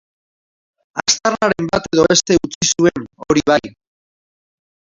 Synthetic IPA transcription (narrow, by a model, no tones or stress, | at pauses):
ast̪aɾnaɾe̞mbat̪e̞ðo̞est̪e̞ut͡sisue̞noɾiβ̞aj